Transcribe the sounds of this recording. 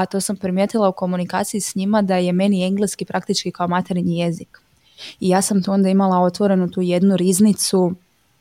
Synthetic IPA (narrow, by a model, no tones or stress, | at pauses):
at̪o̞sampɾimje̞t̪ilˠauko̞munika̰ːt̪sijisɲimad̪aje̞me̞nie̞ŋɡleskipɾʔakt̪it͡ʃkikaomat̪eɾiɲije̞zik | ijaːsamt̪uo̞nd̪aimalˠao̞t̪ʋo̞ɾe̞nut̪uːje̞d̪nuɾiznit̪su